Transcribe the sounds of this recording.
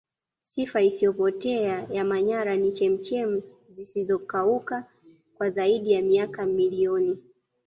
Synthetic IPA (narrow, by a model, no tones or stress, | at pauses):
sifaisijɔpɔtɛajamaɲaɾanit͡ʃɛm̩t͡ʃɛm̩ | zisizɔkauka | kwazaiɗijamiakamiliɔni